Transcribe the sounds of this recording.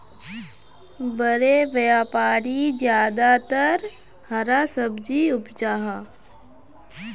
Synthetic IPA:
bəɾeʋəjaːpaːɾid͡ʒjaːd̪at̪əɾ | hɐɾasəbd͡ʒiʊpd͡ʒaːɦa

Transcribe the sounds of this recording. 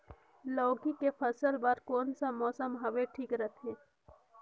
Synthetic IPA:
lɔːɡikepʰəsəlbaɾkoːnsamɔːsəmɦɐʋeʈʰiːkɾət̪ʰẽː

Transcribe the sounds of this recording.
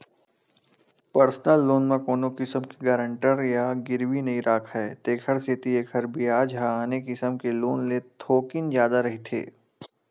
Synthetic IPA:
pəɾsnəlːoːnmɐ̃koːnokɪsəmkiɡɐːɾə̃ɳʈəɾjaɡɪɾwinɐiɾaːkʰɦɛːt̪eːkʰəɾsɪt̪ieːkɦɐɾbʱiaːd͡ʒɦaaːnekɪsəmkeloːnlet̪ʰoːkɪnd͡ʒjaːd̪aɾɐɦit̪ʰḛː

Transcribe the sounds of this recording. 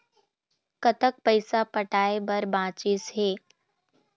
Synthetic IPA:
kət̪ək̚pəɪsapəʈaːebəɾbãːt͡ʃisɦeː

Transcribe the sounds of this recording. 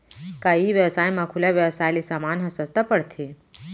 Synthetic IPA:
kaiʋjəwsaːjmãkʰulaʋjəwsaːjlisaːmaːnɦɐsəst̪apəɽt̪ʰi

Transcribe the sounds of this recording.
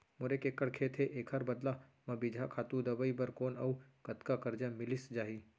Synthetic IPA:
mʊɾekekəɽkʰet̪ʰeʔeːkʰɐɾbɐd̪lamɐ̃bɪd͡ʒʱakʰaːt̪ũd̪ɐbəibɐɾkoːnɐ̰ukɐt̪kakɐɾd͡ʒamɪlɪsd͡ʒaːɦi

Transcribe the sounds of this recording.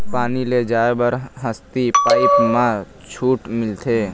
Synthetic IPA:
paːniled͡ʒaːebəɾɦəst̪ipaːɪpmã | t͡ʃʰuːʈmɪlt̪ʰeː

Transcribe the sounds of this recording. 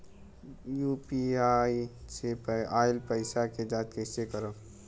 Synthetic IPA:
jupiaisepaɪlpəɪsaked͡ʒat̪kesekəɾəb

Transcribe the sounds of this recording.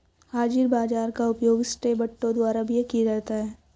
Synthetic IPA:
haːd͡ʒɪɾbaːd͡ʒaːɾkaʊpjoːɡsʈebɐʈːõd̪waːɾabʱijekiɾɛɦt̪aɦɛː

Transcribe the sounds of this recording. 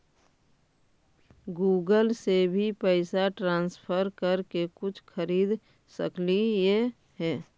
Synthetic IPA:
ɡuːɡəlsebʱipɛɪsaʈɾãːnspʰəɾkəɾkekʊt͡ʃʰkʰəɾiːd̪ | sə̰klije | ɦɛː

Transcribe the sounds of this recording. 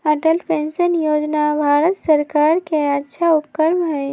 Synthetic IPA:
əʈəlpʰẽnsənjoːd͡ʒnabʱaːɾət̪səɾkaːɾkeətːʃʰaupkəɾmɦɛ

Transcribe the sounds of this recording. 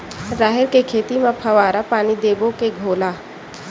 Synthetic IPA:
ɾaːɦɪɾkekʰeːt̪imẽpʰɐʋaːɾapaːnid̪eːbõkeɡʱoːlaː

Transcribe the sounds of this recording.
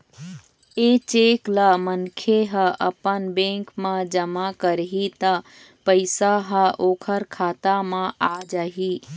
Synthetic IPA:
et͡ʃeːkləmənkʰeɦəʔəpənbẽŋkmãd͡ʒəmakəɾɦit̪ə | pəɪsaɦəʔoːkʰəɾkʰaːt̪amãaːd͡ʒaːɦi

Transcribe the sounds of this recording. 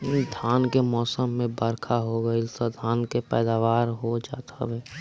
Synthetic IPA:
d̪ʱaːnkemɔːsəmːẽbəɾkʰaɦoɡəɪsəd̪ʱaːnkepɛːd̪aːʋaːɾɦod͡ʒaːt̪ʰa̰bɛː

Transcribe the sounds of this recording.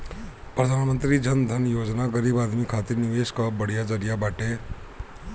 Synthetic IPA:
pɾəd̪ʱaːnmə̃nt̪ɾid͡ʒɐnd̪ʱɐnjoːd͡ʒnaɡəɾiːbaːd̪mikʰaːt̪iɾnɪʋeːʃkabɐɽ̤ijad͡ʒɐɾijabaːʈe

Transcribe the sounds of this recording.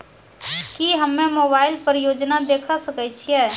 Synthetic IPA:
kiɦəmːẽmoːbaːɪlpəɾjoːd͡ʒnad̪eːkʰasəkət͡ʃʰiɛː

